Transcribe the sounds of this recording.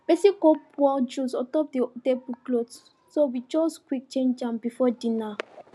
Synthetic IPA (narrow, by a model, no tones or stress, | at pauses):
b̥esikɔpwɔld͡ʒusɔtɔp̚didebuklods | sowid͡ʒɔskwik̚t͡ʃẽnd͡ʒãmbifɔdĩna